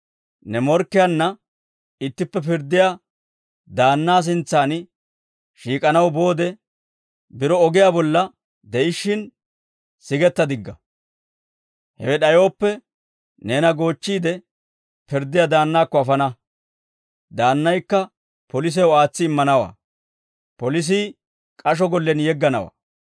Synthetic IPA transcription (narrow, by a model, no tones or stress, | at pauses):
nɛmɔɾkːɪjanːɐ | ɪt̪ːɪpːɛpɪɾd̪ɪja | d̪aːnːaːs̬ɪnt͡sːaːn | ʃiːkʼɐnɐwbo̞ːd̪ɛ | bɪɾɔɔɡɪjabɔlːɐ | d̪ɛɪʃːɪn | sɪɡɛt̪ːɐd̪ɪɡːɐ | hɛ̰wɛɗɐjo̞ːpːɛ | ne̞ːnɐɡo̞ːt͡ʃːiːd̪ɛ | pɪɾd̪ːɪjad̪aːnːaːkːɔɐfɐnɐ | d̪aːnːɐjkːɐ | pɔlɪs̬ɛwaːt͡sːɪːmːɐnɐwa̰ː | pɔlɪs̬ɪ | kʼɐʃ̬ɔɡɔlːɛnjɛɡːɐnɐwa̰ː